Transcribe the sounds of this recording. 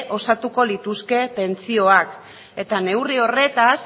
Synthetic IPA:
ʔo̞sat̪uko̞lit̪uske̞pe̞nt͡sio̞ak | e̞t̪ane̞wrio̞re̞t̪as

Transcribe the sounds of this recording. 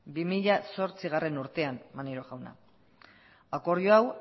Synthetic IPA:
bimiʎaso̞ɾt͡siɣare̞nuɾt̪e̞anmaniɾoɣawna̰ | ako̞ɾjoaw

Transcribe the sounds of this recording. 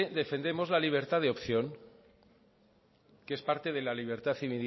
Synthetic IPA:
d̪e̞fe̞nd̪e̞mo̞zlaliβ̞e̞ɾt̪aðeopθjoŋ | kespaɾt̪e̞ð̞e̞laliβ̞eɾt̪aθiβil

